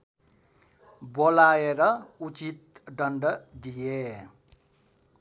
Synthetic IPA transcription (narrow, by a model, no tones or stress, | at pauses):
bolaeɾʌut͡sit̪̚ɖʌɳɖʌd̪ije